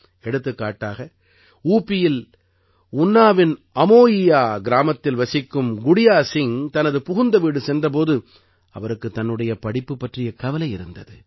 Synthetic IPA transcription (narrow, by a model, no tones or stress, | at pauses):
ɛɽɯt̪ːɯkːaːʈːaːɣɐ | uːpːɪjɪl | ʊnːaːʋɪn | ɐmoːjɪjaːɡɪɾaːmɐt̪ːɪlʋɐsɪkːɯmɡʊɽɪjaːsɪŋt̪ɐnɐðɯpʊɣʊnd̪ɐʋiːɽɯsɛndrɐp̬oːðɯ | ɐʋɐɾɯkːɯt̪ːɐnːɯɽɐjɐpɐɽɪpːɯpːɐʈrɪjɐkɐʋɐlɐɪɪɾɯnd̪ɐðɯ